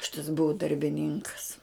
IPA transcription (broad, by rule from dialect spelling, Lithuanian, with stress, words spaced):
ˈʃʲɪtɐs ˈbʊʊ dɐrʲbʲɪˈnʲɪŋkɐs